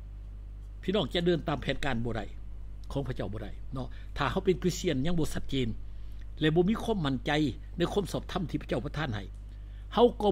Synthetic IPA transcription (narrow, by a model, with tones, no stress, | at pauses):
pʰiː˧˨nɔː˧˩˨ŋt͡ɕa˧dɤː˧˨nt̪aː˨mpʰɛː˨˦nkaː˧˨nbɔː˧ɾa̰˧˩j | kʰɔː˨˦pʰa˧˩t͡ɕa˧˩wbɔː˧˦ɾa˧˩jnɔ˧ | t̪ʰaː˨˩ha˧˥˩wpe˨nki˧˥si˧˩ənɲa˧˨ŋbɔː˧sa˧˦t̪̚t͡ɕeː˧n | lɛ˧˩bɔː˧˦miː˧˥˨kʰwaː˧˥˨mːa˧˩nt͡ɕa˧j | na˧˥˨jkʰuː˧˥˨msɔː˧˩p̚t̪ʰa˧˥˨mt̪ʰiː˧pʰa˧˩t͡ɕa˧˩wpa˧t̪ʰaː˧˥˨nha˧˩j | ha˧˨wkɔː˧˩